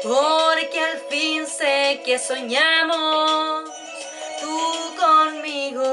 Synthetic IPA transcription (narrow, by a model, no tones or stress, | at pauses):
oɾkalpinsekesoɲamo | t̪ukonmiɣo